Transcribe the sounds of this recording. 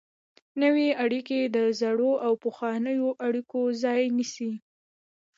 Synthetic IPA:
nəweaɽiked̪əzaɽoʔawpəxwɑnəjoʔaɽikozɑjnisi

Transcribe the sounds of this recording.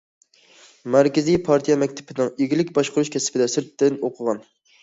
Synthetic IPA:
mæɾkʲɪzijpʰɑɾt̪ʰijɛmɛkʲt̪ʰɪ̥pʰɪnɪŋeɡʲilɪkʲbɑʃqʊɾuʃkʲʰɛsɪ̥pʰɪd̪ɛsɪɾt̪ːɪnoqʰʊʁɑn

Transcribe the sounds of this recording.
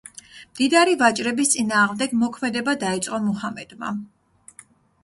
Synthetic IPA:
md̪̥id̪aɾivat͡ʃʼɾɛbist̪sʼinaːʁmd̪ɛɡmɔkʰmɛd̪ɛbad̪ait̪sʼqʼɔmɔhamɛd̪̥ma̰

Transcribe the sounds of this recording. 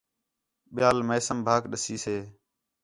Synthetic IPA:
ɓɪjaːlmeːsəmbʱaːkɗəsiːseː

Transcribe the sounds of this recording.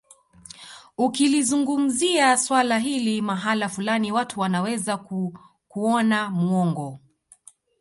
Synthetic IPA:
ukilizuŋɡum̩ziaswalaɦilimaɦalafulaniwatuwanawɛzaku | kuɔnamuɔŋɡɔ

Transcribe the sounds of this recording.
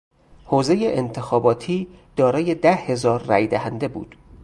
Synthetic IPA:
hoːzejeʔent̪ʰexɒːbɒːt̪ʰiːd̪̥ɒːɾɒːje̞d̪æhhe̞zɒːɾːæjd̪æhænd̪e̞bṵːd̪̥

